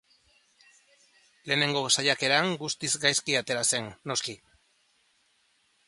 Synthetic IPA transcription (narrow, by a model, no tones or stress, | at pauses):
le̞ːne̞ŋɡo̞sajake̞ɾaŋɡust̪izɡajskiat̪e̞ɾase̞nːo̞ski